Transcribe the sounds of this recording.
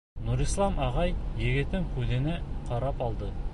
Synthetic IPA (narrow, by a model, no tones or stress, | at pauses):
nuɾislˠɑmʔɑʁɑjːeɡʲɪt̪ːɪŋkʲʰʉd̪ɪnɪqʰɑɾɑpɑlˠd̪ə